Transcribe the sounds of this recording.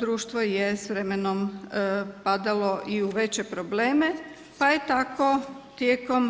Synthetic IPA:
d̪ɾuːʃt̪ʋojesʋɾemenom | pad̪alo̞ʔiuʋe̞t͡ɕepɾoble̞ːme | pajet̪ako̞t̪jeko̞m

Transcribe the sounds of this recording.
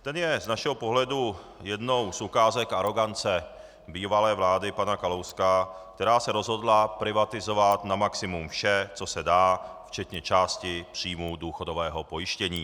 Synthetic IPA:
t̪ɛnjɛznaʃɛɦopo̞ɦlɛdu | jɛdno̞wsukaːzɛkʔaɾo̞ɡant͡sɛ | biːvalɛːvlaːdɪpanakalowskak̚t̪ɛɾaːsɛɾo̞zɦo̞dlapɾɪvat̪ɪzo̞vat̪namaksɪmumfʃɛt͡so̞sɛdaːft͡ʃɛt̪ɲɛt͡ʃaːscɪpr̝̥iːmuduːxodo̞vɛːɦopo̞jɪʃcɛɲiː

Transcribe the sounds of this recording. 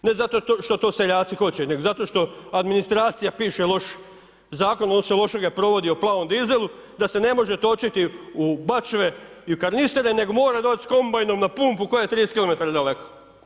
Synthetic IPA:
nezat̪o̞t̪oʃt̪o̞t̪oːse̞ʎaːt̪sixo̞t͡ɕene̞ɡozat̪o̞ʃt̪o̞ad̪minist̪ɾaːt̪sijapiːʃelo̞ʃ | zaːkonod̪oselˠo̞ʃeɡapɾo̞ʋo̞d̪ioplˠaːʋomd̪ize̞lˠu | d̪ase̞ne̞mo̞ʒet̪o̞t͡ʃit̪iubat͡ʃʋeiukaɾnist̪eɾene̞ɡomo̞ːɾad̪oːt͡ʃsko̞mbajnomnapuːmpuko̞jajet̪ɾiːskilo̞me̞t̪aɾad̪ale̞ko

